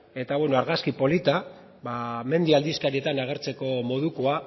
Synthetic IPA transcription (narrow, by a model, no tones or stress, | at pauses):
e̞t̪aβweno̞aɾɣaskipo̞lit̪a | βame̞nd̪iald̪iskaɾiet̪anaɣ̞e̞ɾt͡se̞ko̞mo̞ðuko̞a